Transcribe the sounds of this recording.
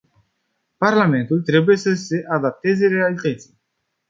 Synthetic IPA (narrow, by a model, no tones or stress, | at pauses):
paɾlament̪ult̪ɾebujesəseʔad̪ap̚t̪ezeɾealit̪ət̪si